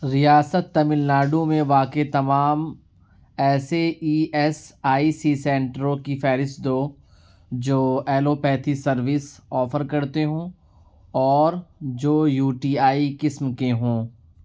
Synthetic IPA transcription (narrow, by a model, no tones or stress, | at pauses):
ɾijaːsət̪ːɐmɪlnaːɖũmẽʋaːkeit̪ɐmaːm | ɛːseiːɛsaːisisɛ̃ːɳʈɾõkifɛːɾɪsd̪oː | d͡ʒoːɛːloːpɛːt̪ʰisɐɾʋɪsɔːfəɾkɐɾt̪eɦõː | ɔːɾd͡ʒoːjuːʈiːaːikɪsmkeɦõː